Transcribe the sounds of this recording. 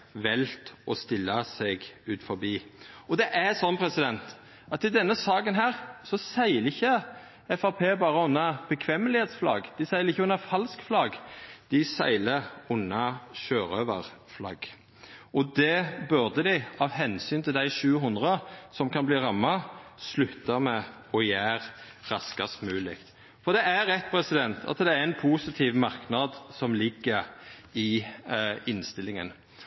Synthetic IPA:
ʋɛlt̪ɔst̪ɪlːɑsɛɡʉːt̪fɔɾbiːɔd̪ɛʔæsɔnːpʰɾɛsɪd̪ɛnt̪ | ɑt̪ɪd̪ɛnːəsɑːkənɦæːʁsɔsæɪləɪçːə | ɛfɑʁpʰeːbɑːɾəʊnːɑb̥əkʰʋɛməlɪheːt̪sflɑ̰ɡd̪̥ɪsæɪləɾɪçːəʊnːɑfɑlskflɑɡd̪̥ɪsæ̰ɪləɾʊnːɑʃøːɾøʋə̰ʁflɑ̰ɡ | ʔɔd̪ɛbʉɾd̪əd̪ɪɪɑʋɦɛnsyːnt̪ʰɪld̪æɪʃʉːɦʊnd̪ʁəsɔmkʰɑnbliːʁɑmːɑslʉt̪ːəmɛ | ɔjæːɾ | ʁɑskɑst̪mʉːlɪkt̪ | fɔd̪ɛæɾɛt̪ːpʰɾɛsɪd̪ɛnt̪ʰɑ̰t̪d̪ɛæɾɛnpʰusɪt̪ʰiːʋmɑɾknɑd̪sɔmlɪɡːəɾɪ | ɪnst̪ɪlɪŋə̰n

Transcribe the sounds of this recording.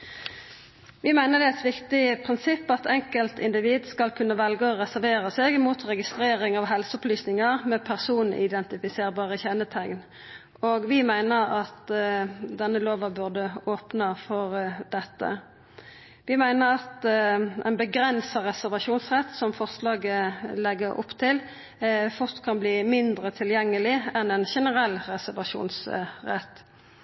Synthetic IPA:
ʋɪmæɪnəʁd̪ɛɛt̪ʋɪkt̪ɪpʰʁɪnsɪpːɑt̪ʰɛŋkəlt̪ɪnd̪ɪʋiːd̪skɑlkʰʉnːəʋɛlɡəɔʁɛsæʁʋeːʁəsɛːɡmuːt̪ʁɛɡɪst̪ɾeːʁɪŋɑʋɦɛlsəɔplyːsnɪŋəʁmɛpʰæʁsuːnn̩̰ɪd̪ɛnt̪ɪfɪseːʁbɑːʁəçɛnət̪ʰæŋn | oːɡʋɪmæɪnəʁɑt̪ | d̪ɛnːəloːʋɑbʉʁd̪əoːpnəfɔʁd̪ɛt̪ːə̰ | ʋɪmæɪnəɾɑt̪ʔɛ̰nbəɡɾɛnsɑʁɛsæʁʋɑʂuːnsʁɛt̪sɔmfɔʁslɑːɡəlɛɡəɾʔʊ̰pt̪ʰɪl | fʊʁt̪kʰɑnbliːmɪnd̪ɾət̪ʰɪljɛŋːəlɪɛnɛnʃɛnəʁɛlːʁɛsæʁʋɑʂṵːnsʁɛ̰t̪ː

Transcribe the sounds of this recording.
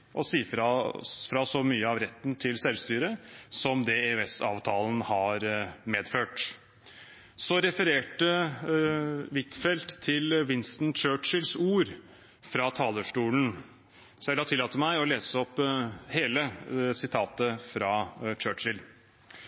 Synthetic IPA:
ʔɔsiːfɾɑfɾɑsɔmyːəɑʋɾɛt̪ːnt̪ʰɪlsɛlʋst̪yːɾəsɔmd̪ɛeʉɛsɑ̰ːʋt̪ʰɑːlən̩hɑɾmeːd̪føːʈ | sɔɾɛfəɾeːʈə | ʋɪt̪fɛlt̪ʰːɪlʋɪnst̪nt͡ʃøːʈt͡ʃɪlsuːɾ | fɾɑt̪ʰɑːləʂʈuːln̩ | sɔjælɑt̪ɪlːɑːt̪əmæɪɔleːsəɔpːheːləsɪt̪ʰɑːt̪əfɾɑt͡ʃøːt͡ʃɪl

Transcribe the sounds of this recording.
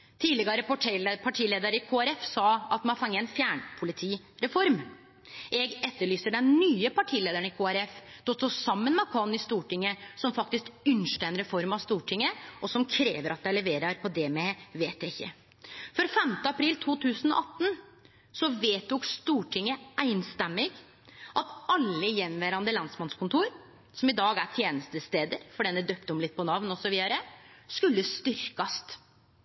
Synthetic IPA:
t̪ʰiːdlɪɡɑɾəpɔʈpʰɑʈʰiːleːd̪əɾəɪkʰoːæɾɛfsɑːɑt̪mɛnɑɾfɑŋːəɛɪnfjæːɳpʰʊlɪt̪ʰiː | ɾɛfɔɾm | ʔɛɡɛt̪ːəɭyːsəɖɛnnyːəpɑʈʰiːleːd̪əɳɪkʰoːæɾɛfd̪̥ɔt̪sɔsɑmːənmɛɑkʰɑnɪst̪uːʈɪŋːəsɔmfɑk̚t̪ɪskʉnʂʈəɛnɾɛfɔɾmɑʋst̪uːʈʰɪŋːəʔɔsɔmkʰɾeːʋəɾɑt̪̚d̪æɪlɛʋeːɾɑɾpʰɔd̪ɛmɛʋeːt̪æɪçːə̰ | fɔɾfɛmt̪əɑpʰɾiːlt̪ʰuːt̪ʰʉːsənɔ̰ʔɑt̪ːn̩ | sɔʋeːt̪ʊkst̪uːʈʰɪŋːəʔæɪnst̪ɛmːɪɡ | ʔɑt̪ɑlːəjɛnʋæɾɑnd̪əlɑnsmɑnskʊnt̪ʰuːɾ | sɔmɪd̪ɑːɡæʈʰjeːnəst̪əst̪eːd̪əɾfɔɖɛnəd̪øːpt̪ɔmlɪt̪̚ːpɔnɑʋnɔsɔʋiːd̪ɑɾəskʉlːəst̪ʏɾkɑst̪

